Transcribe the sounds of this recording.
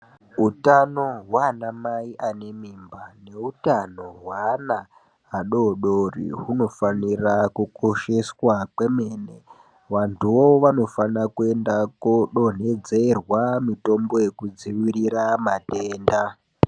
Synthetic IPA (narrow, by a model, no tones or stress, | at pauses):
utano̞ɦwanamaiʔane̞mimbane̞utano̞ɦwana | ɦaɗo̞ɗorḭɦuno̞fanirakuko̞ʃe̞swakwe̞me̞ːne | ʋantʰuwoʋano̞fanakue̞ndakoɗo̞n̤e̞d͡zerwamito̞mbo̞je̞kud͡ziʋiɾiɾamateːnda